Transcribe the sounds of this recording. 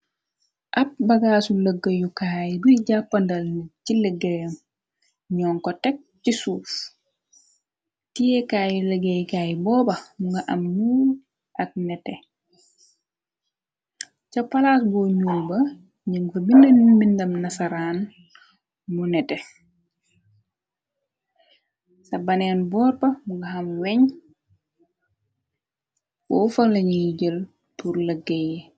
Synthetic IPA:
ʔɐp̚bɐɡaːsuləɡːəjukaːjibuɟapːɐndɐlniciləɡːəjɐm | ɲɔːnkɔtɛk̚cisuːf | tijɛkaːjuləɡəjkaːjibɔːbɐmuŋɡɐʔɐmnuːl | ʔɐk̚nɛtɛ | t͡ʃɐpːɐlaːsbɔɲuːbɐ | ɲəŋfɐbindənmindɐmnɐsaɾaːn | munɛtɛ | sɐbɐnɛːnbɔːɾpɐmuŋɡɐɦɐmwɛɲ | bɔfɐlɐɲijiɟəl | purləɡɛj

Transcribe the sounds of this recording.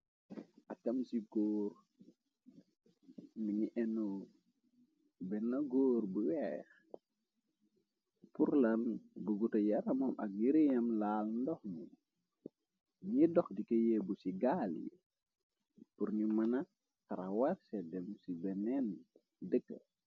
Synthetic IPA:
ɐkɐmsiɡoːɾ | miɲiʔɛnoː | bɛnɐɡoːɾbuwɛːx | puɾlɐnbuɡutɐjɐɾɐmɐmʔɐ̰k̚ɲiɾijɐmlaːlndɔxmu | ɲidɔxdikejɛbusiɡaːlḭ | puɾnimɐnɐ | tɐɾɐwarsɛdɛmsibɛnɛn | dəkːə̰

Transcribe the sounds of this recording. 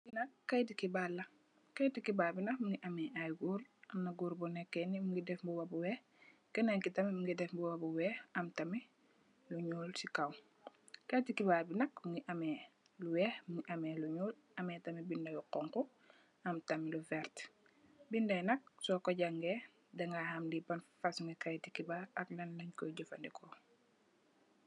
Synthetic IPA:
binɐkːɐjdikibalːɐ | kɐjtikibaːbinɐkmuŋɡiʔɐmɛʔajɡuɾɐmnɐɡuːɾbɔnɛkːɛnimuŋɡidɛfbuwɐbuwɛː | kɛneŋkitɐmimuŋɡidɛfbubabuwɛhɐmtɐmi | luɲuːlsikaw | kɐjtikibaːbinɐk̚muŋɡiʔɐmɛ | luwɛhmuŋiʔɐmɛluɲuːl | ʔɐmɛtɐmibindɐjuqɔŋku | ɐmtɐmiluvɛɾt | bindɐnɐk̚sɔkɔɟɐŋɡɛ | dɐŋɡahɐmdibɐnffasuŋɡikajtikibaɐklɐnlɐɲkɔjɟɔfɐndikʰɔ

